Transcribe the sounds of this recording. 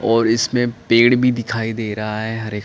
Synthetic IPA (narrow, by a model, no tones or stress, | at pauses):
ɔːɾɪsmẽpeːɽbʱid̪ɪkʰaːid̪eːɾɐɦaɦɛɦɐɾeːk